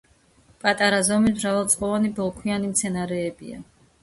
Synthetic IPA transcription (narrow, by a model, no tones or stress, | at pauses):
pʼat̪ʼaɾazɔmismɾavalˠt̪sʼqʼɔvanibɔlˠkʰwianimt̪sʰɛnaɾɛːbḭa̰